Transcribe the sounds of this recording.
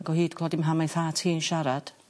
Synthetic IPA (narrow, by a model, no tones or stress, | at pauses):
aɡɔhiːd̥kʰɔdɪmɦamajnθatʰiːnʃaɾad̥